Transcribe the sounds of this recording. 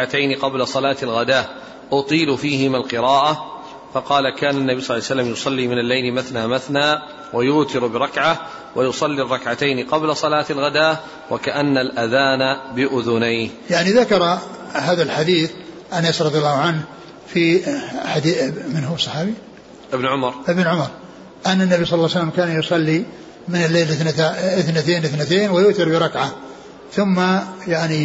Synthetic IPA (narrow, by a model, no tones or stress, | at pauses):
at̪ajnɪqɑblasˤɑlaːt̪alɣad̪aː | ʔʊt̪ˤiːlʊfiːhɪmalqɨɾɑːʔa | fɑqɑːlakaːnanːabiːsˤlːasalːamjʊsˤɑlːiːmɪnalːajlɪmaθnaːmaθnaː | wajʊʔt̪ɪɾbɪɾˤɑkʕa | wajʊsˤɑlːirˤːɑkʕat̪ajnɪqɑblasˤɑlaːt̪alɣad̪aː | wakaʔanːalʔaðaːnabɪʔʊðʊnajhjaʕniðakɑɾˤ | haːðalħad̪iːθ | ʔanaːsɾˤɑd̪ˤjalːɑːhʊʕanh | fiħad̪imɪnɦʊsˤːɑħɑːbi | ʔɪbnʕʊmɑɾˤʔɪbnʕʊmɑɾˤ | ʔanːanːabisˤɑlɑːsalːamkaːnjʊsˤɑlːi | mɪnɪlːejːlɪθnat̪eːnɪθnat̪eːnwajʊʔt̪ɪɾbɪɾˤɑkʕa | θʊmːajaʕni